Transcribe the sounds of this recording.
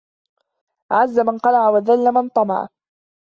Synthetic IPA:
ʔaʕazːamanqɑlaʕawaðalːamant̪ˤɑmɑ̰ʕ

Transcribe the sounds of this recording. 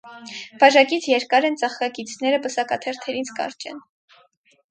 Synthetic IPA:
b̥ɑʒɑkit͡sʰjɛɾkɑɾɛnt͡sɑχkɑkit͡sʰnɛɾəpəsɑkɑt̪ʰɛɾt̪ʰɛɾit͡sʰkɑ̰ɾt͡ʃɛ̰n

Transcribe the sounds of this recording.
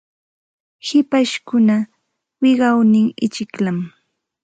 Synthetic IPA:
hɪpaʃkʊna | wɪɢɑwnɪŋɪt͡ʃɪklam

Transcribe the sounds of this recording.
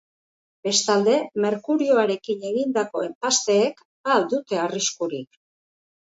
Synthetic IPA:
be̞st̪ald̪e̞me̞ɾkuɾio̞aɾe̞kine̞ɣind̪ako̞e̞mpast̪e̞ːk | ald̪ut̪e̞ariskuɾik

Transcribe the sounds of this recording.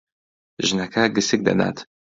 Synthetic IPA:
ʒənakaɡəsɪk̚d̪a̰d̪a̰t̪

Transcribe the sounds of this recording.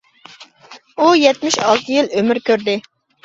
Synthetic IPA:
ujɛt̪mɪʃɑlˠt̪ʰɨjilømɪɾkʲøɾd̪ɪ

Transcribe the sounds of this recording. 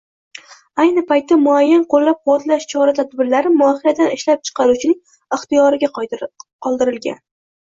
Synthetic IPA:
ajnɪpajt̪ːamʊajːanqolːap̚qʊwɒt̪laʃt͡ʃʰɒɾat̪ʰad̪bɪɾlaɾɪmʊɒhijad̪anɪʃlap̚t͡ʃʰɨ̥qʰɑɾut͡ʃʰɪnɪŋ | ɪχt̪ijɒɾɪɡʲaqʰɒlˠd̪ɪɾɪlɡʲa̰n

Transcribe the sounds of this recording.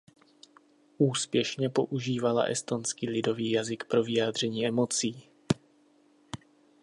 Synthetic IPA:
ʔuːspjɛʃɲɛpo̞ʔuʒiːvala̰ʔɛ̰st̪o̞nskiːlɪdo̞viːjazɪkpɾo̞vɪjaːd̪r̝ɛɲiːɛmo̞t͡siː

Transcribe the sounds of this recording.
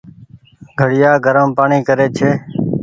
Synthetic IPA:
ɡʱəɽɪjaːɡʱəɾəmpaːɳiːkəɾeːt͡ʃʰeː

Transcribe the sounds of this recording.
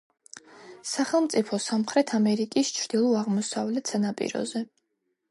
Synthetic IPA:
saχɛlˠmt̪sʼipʰɔsamχɾɛt̪ʰamɛɾikʼist͡ʃʰɾd̪̥ilˠɔaʁmɔsavlɛt̪ʰsanapʼḭɾɔ̰zɛ

